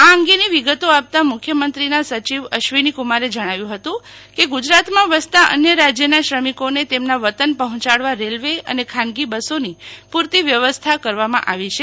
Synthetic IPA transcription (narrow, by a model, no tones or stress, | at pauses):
aəŋɡeniʋiɡət̪oap̚t̪amʊkʰjəmənt̪ɾinasət͡ʃiʋəʃʋinikumaɾed͡ʒəɽ̃aʋjũɦət̪ũkeɡud͡ʒɾat̪mãʋəst̪aʔə̰njəɾad͡ʒjənaʃɾəmikonet̪emnaʋət̪ənpəɦɔ̃t͡ʃaɽʋaɾelʋeə̰nekʰãnɡibəsonipuɾt̪iʋjəʋəst̪ʰakəɾʋamãʔaʋit͡ʃʰe